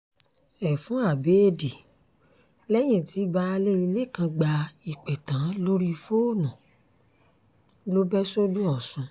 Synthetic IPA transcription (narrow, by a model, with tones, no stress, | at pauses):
ɛ˨fũ˨˦a˦˨be˨˦e˦di˨ | lɛ˦j̃ĩ˦˨ti˨˦ba˧le˦i˧le˦˨kã˧ɡ͡ba˧i˨k͡pɛ˨tã˨˦lo˦ɾi˦˧fo˦˨nũ˨ | lo˦bɛ˦so˦dũ˦ɔ˦˨sũ˨˧